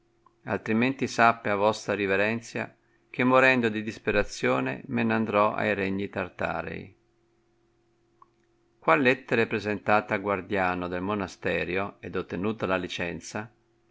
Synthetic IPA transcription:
a̰lt̪ɾiment̪isapːeavɔst̪ɾaɾiveɾɛnt̪sja̰ | k̟emːoɾɛnd̪od̪id̪ispeɾat̪sːjɔːnḛmenand̪ɾɔa̰jɾɛɲːit̪art̪a̰ːɾḛj | kwalɛt̪ːeɾepɾezent̪aːt̪aɡward̪jaːnod̪elmonast̪ɛːɾjoɛd̪ot̪ːenuːt̪alalit͡ʃɛnt̪sa

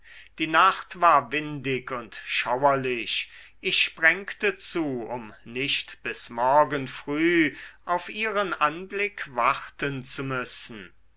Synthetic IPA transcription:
d̥iːnaχtv̥aːɐvɪndɪkʊntʃawɐlɪʃʔɪʃʃpʁ̥ɛŋktət͡suːʊmnɪʃtb̥ɪsmɔɐɡənfʁ̥yːʔaʊfʔiːʁənʔanblɪkvaʁtənt͡sumʏsn̩

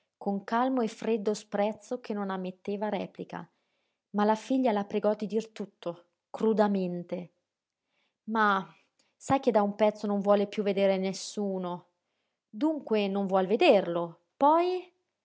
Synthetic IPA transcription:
koŋkalmoefːɾed̪ːospɾɛt̪sːok̟ʰenːonamːet̪ːeːvaɾɛ̰ːplika̰ | malafiʎːalapɾeɡɔd̪ːid̪irt̪ut̪ʰːo | kɾud̪ament̪e | ma | sajked̪ːaumpɛt̪sːonoɱvwɔːlepjuvːed̪eːɾenesːuːno | d̪uŋkwenoɱvwɔlved̪erlo | pɔj

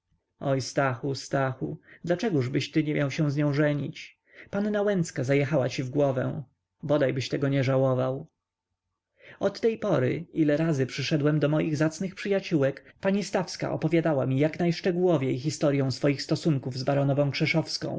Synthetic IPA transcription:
ɔjst̪axust̪axud̪lat͡ʂɛɡuʐbɘɕt̪ɘɲɛmʲjawɕɛ̃w̃zɲɔ̃w̃ʐɛɲit͡ɕ | panːawɛnt̪skazajɛxawat͡ɕivɡwɔvɛ̰̃ | bɔd̪ajbɘɕt̪ɛɡɔɲɛʐawɔvaw | ɔt̪ːɛjpɔɾɘ̰ilɛɾazɘpʂɘʂɛd̪wɛmd̪ɔmɔjiɣzat̪snɘxpʂɘjat͡ɕuwɛkpaɲist̪afska̰ʔɔ̰pɔvʲjad̪awamʲijaknajʂt͡ʂɛɡuwɔvʲjejxist̪ɔɾjɔ̃w̃sfɔjixst̪ɔsuŋkuvzbaɾɔnɔvɔ̃w̃kʂɛʂɔfskɔ̰̃w̃

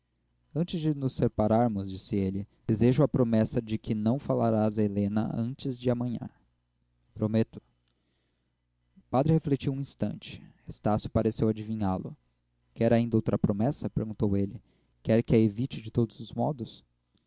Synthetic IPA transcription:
ɐ̃nt͡ʃɪzd͡ʒɪnʊseɾpaɾaɾmʊzd͡ʒisɪelɪd̪̥ezeʒʊɐpɾomɛsɐd͡ʒɪkʰɪnɐ̃w̃fala̰ɾazɐelẽnɐ̰ɐ̰̃nt͡ʃɪzd͡ʒɪamɐ̃ɲã̰ | pɾomet̪ʊ̥ | ʊpad̪ɾɪheflet͡ʃiwũĩst̪ɐ̰̃nt͡ʃɪ̥est̪asjʊpaɾesewad͡ʒivĩɲalʊ̰ | kɛɾaĩd̪ɐowt̪ɾɐpɾomɛsɐpeɾɡũnt̪owelɪ | kɛɾkɪɐevit͡ʃɪd͡ʒɪt̪od̪ʊzʊzmɔd̪ʊs

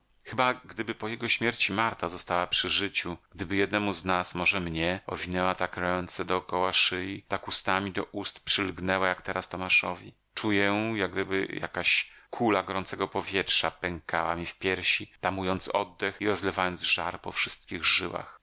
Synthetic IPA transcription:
xɘbaɡd̪ɘbɘpɔjɛɡɔɕmʲjɛɾt͡ɕimaɾt̪azɔst̪awapʂɘʐɘt͡ɕuɡ̥̚d̪ɘbɘjɛd̪nɛmuznasmɔʐɛmɲɛɔ̰vʲinɛwat̪akɾɛnt̪sɛd̪ɔːkɔwaʂɘjit̪akust̪amʲid̪ɔʔust̪pʂɘlɡnɛwajakt̪ɛɾast̪ɔmaʂɔvʲi | t͡ʂujɛjaɡ̚d̪ɘbɘ̰ja̰kaɕkʰulaɡɔɾɔnt̪sɛɡɔpɔvʲjɛtʂapɛŋka̰wa̰mʲifpʲjɛɾɕit̪amujɔnt̪sɔ̰d̪ːɛxiɾɔzlɛvajɔnd̪zʐaɾpɔfʂɘst̪̚kʲiɣʐɘwa̰x

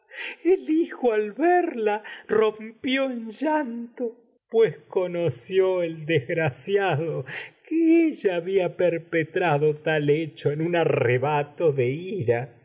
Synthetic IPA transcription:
elixoalβeɾlarompjoenʒant̪o | pwesko̞nosjoeld̪ezɣɾasjaðokeeʒaːβiapeɾpet̪ɾaðot̪alet͡ʃoenunareβat̪oðeiɾa

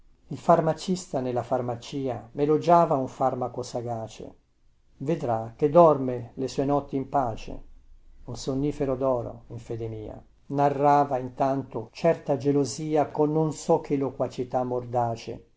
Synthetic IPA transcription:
ilfarmat͡ʃist̪anelːafarmat͡ʃiːamelod͡ʒaːvauɱfarmakosaɡaːt͡ʃḛ | ved̪ɾak̟ːed̪ɔrmelesuːenɔt̪ːiimpaːt͡ʃḛunsonːiːfeɾod̪ɔːɾo̰iɱfɛːd̪emiːa̰ | narːaːvaint̪ant̪ot͡ʃɛrt̪ad͡ʒeloziːakonːonsɔk̟ʰːelokwat͡ʃit̪amːord̪aːt͡ʃḛ

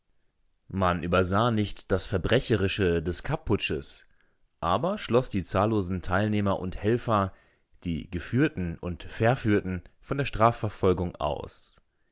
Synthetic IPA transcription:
manʔyːbɐzaːnɪçtd̥asfɛɐbʁɛçəʁɪʃədɛskʰapʰːʊt͡ʃəs | ʔaːbɐʃlɔsd̥iːt͡saːlːoːzn̩tʰaɪlneːmɐʔʊnthɛlfɐ | d̥ḭːɡəfyːɐtn̩ʊntfɛɐfyːɐtn̩fɔndeːɐʃtʁ̥aːfɛɐfɔlɡʊŋa̰ʊs

